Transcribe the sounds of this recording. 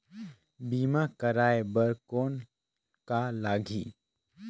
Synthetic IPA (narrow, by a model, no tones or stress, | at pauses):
biːmakəɾaːebəɾkoːn | kalaːɡʱiː